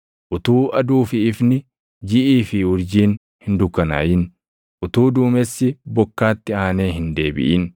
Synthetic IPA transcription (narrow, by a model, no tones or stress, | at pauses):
ʔʊt̪uːʔɐd̪uːfɪɪfnɪ | d͡ʒɪʔiːfɪʊɾd͡ʒiːn | hɪnd̪ʊkːɐna̰ːjɪn | ʔʊt̪uːd̪uːmɛsːɪbɔkːaːt̪ːɪaːneːhɪnd̪e̞ːbɪ̰ʔɪ̰n